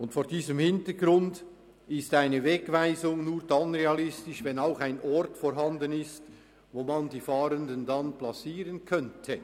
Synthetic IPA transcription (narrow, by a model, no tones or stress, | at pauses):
ʊntfoːɾdiːzəmhɪntəɡɾʊnd | ɪstaɪnəvɛkvaɪzʊŋnuːɾdanʁeɑlɪstɪʃvɛnaʊxaɪnʔɔrtfɔɾɦɑndənɪst | voːmandiːfaːɾəndəndɑnplat͡siːʁənkʰœntʰə